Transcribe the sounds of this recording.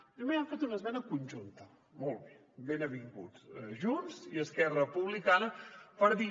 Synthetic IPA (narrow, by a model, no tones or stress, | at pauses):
pɾimeaɱfet̪unəzmɛnəkunʲʒunt̪ə | molˠβe | benəβiŋɡṵt͡sʒunziəskɛrəpuβ̞likanəpəɾði